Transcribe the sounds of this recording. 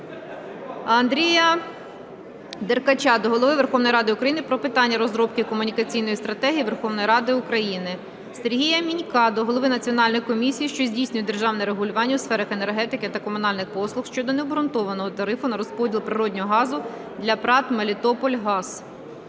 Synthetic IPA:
ɐnd̪ɾʲijɐ | d̪erkɐt͡ʃɑd̪ɔɦɔlˠɔʋɪʋerxɔwnɔjiɾɑd̪ɪʊkɾɐjinɪpɾɔpɪt̪ɑnʲːɐɾɔzɾɔp̚kɪkɔmʊnʲikɐt͡sʲijnɔjist̪ɾɐt̪ɛɦʲijiʋerxɔwnɔjiɾɑd̪ɪʊkɾɐjinɪ | seɾɦʲijɐmʲinʲkɑd̪ɔɦɔlˠɔʋɪnɐt͡sʲiɔnɑlʲnɔjkɔmʲisʲijiʃt͡ʃɔzʲdʲijsʲnʲʊjɛd̪e̞rʒɑwnɛɾeɦʊlʲʊʋɑnʲːɐʊwsfɛɾɐxenerɦɛt̪ɪkɪt̪ɐkɔmʊnɑlʲnɪxpɔslˠʊxʃt͡ʃɔd̪ɔnebɾʊnt̪ɔʋɐnɔɦɔt̪ɐɾɪfʊnɐɾɔspɔdʲilˠpɾɪɾɔdʲnʲɔɦɔɦɑzʊ | d̪ʲlʲɐpɾɑt̪mɐlʲit̪ɔpɔlʲɦɑz

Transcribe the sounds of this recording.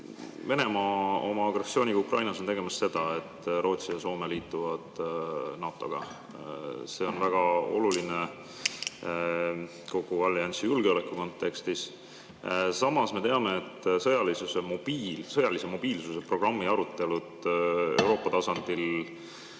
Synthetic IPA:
ve̞ne̞mɑːo̞mɑːɡ̥resːio̞ːnʲiɡukrʔɑjnɑso̞nt̪e̞ɡemɑst̪se̞d̪̥ɑe̞t̪ːˑro̞ːt̪sijɑso̞ːme̞liːt̪ːˑuvɑd̪̥nɑːt̪ːˑo̞̰ɡ̥ɑ̰ | se̞ːo̞nvæɡ̥ɑo̞̰luline | ko̞ɡ̥uvɑlːiɑnʲsijulɡ̥eo̞le̞kːˑuko̞nt̪ːˑe̞kst̪is | sɑmɑsme̞t̪e̞ɑme̞ːt̪ːsɤjɑlisuse̞mo̞b̥iːlsɤjɑlise̞mo̞b̥iːlsuse̞pro̞ɡ̥rɑmːiɑɾut̪ːˑe̞lud̪euwɾo̞ːpːˑɑt̪ɑsɑnd̪̥il

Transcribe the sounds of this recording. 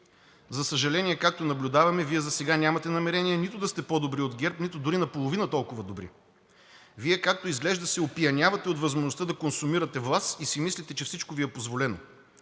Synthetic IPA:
zɐsəʒɐlɛniɛkak̚t̪onɐblʲʊd̪avɐmɛviɛzɐsɛɡanʲamɐt̪ɛnɐmɛɾɛniɛnit̪ʊd̪ɐst̪ɛpɔd̪obɾiod̪ɡɛɾpnit̪ʊd̪ʊɾinɐpolˠovinɐt̪ɔlˠkʊvɐd̪obɾḭ | viɛkak̚t̪oizɡlɛʒd̪ɐsɛopiɐnʲavɐt̪ɛot̪vɐzmoʒnost̪d̪ɐkonsumiɾət̪ɛvlˠasisimislʲit̪ɛt͡ʃɛfsit͡ʃkoviɛpozvolɛno̰

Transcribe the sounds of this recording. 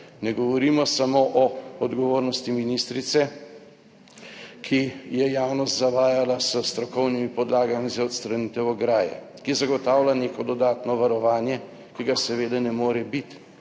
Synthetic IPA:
nɛɡɔʋɔɾiːmɔsamoːʔɔɔd̪ɡɔʋoːɾnɔst̪iminist̪ɾit̪sɛ | kʰijɛjawnɔst̪zaʋaːjalasəst̪ɾɔkɔwnimipɔd̪laːɡamizaɔt̪st̪ɾanit̪ɛwɔɡɾaːjɛ̰ | kizaɡɔt̪aːwlaneːkɔd̪ɔd̪aːt̪nɔʋaɾɔʋaːnjɛ | kiɡasɛʋeːd̪ɛnɛmoːɾɛbit̪

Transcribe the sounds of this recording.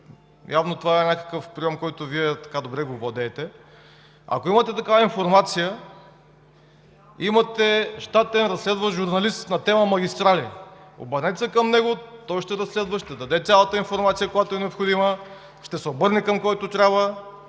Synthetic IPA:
javnot̪ovaɛnʲakə̥kəfpɾijɔmkɔjt̪oviɛt̪ɐ̥kad̪obɾɛɡovɔd̪ɛːt̪ɛ | ɐ̰koimət̪ɛt̪ɐkavəinfoɾmat̪sijə | imɐt̪ɛʃt̪at̪ɛnɾɐslɛd̪vɐʒuɾnɐlist̪nɐt̪ɛməmɐɡʲist̪ɾalio̰bəɾnɛt̪sɛkɐmnɛɡot̪ɔjʃt̪ɛɾɐslɛd̪vɐʃt̪ɛd̪ɐd̪ɛt̪sʲalˠət̪əinfoɾmat̪sijəkojat̪oɛnɛopxod̪imə | ʃt̪ɛsɛobɤɾnikəmkɔjt̪ot̪ɾʲabvə

